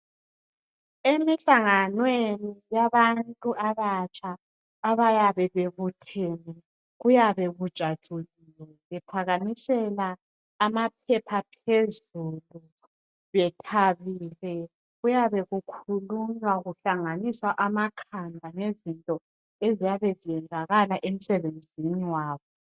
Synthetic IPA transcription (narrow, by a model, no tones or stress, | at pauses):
emiɬaŋanwenijaβantʼuʔaβat͡ʃʼʰaː | βajaβɛβeɣutʰɛnɛ | ɣujaβɛɣud̥ʒ̥ʱad̥ʒ̥ʱuɣilɛβɛpʰaɣamisɛlaː | mapʰɛpʰapʰezulu | βɛtʰaβiːlɛ | ɣujaβɛɣukʰuluɲwaɣuɬaŋaniswaʔamakʰandʱanezintʼɔ | ezijaβɛzijɛnd͡zʱaɣalaʔem̩sɛβend͡zʱiniwaːβɔ